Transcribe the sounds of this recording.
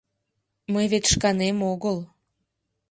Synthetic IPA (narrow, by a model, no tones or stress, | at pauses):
məjβet̪ʃkɑnemoɣəl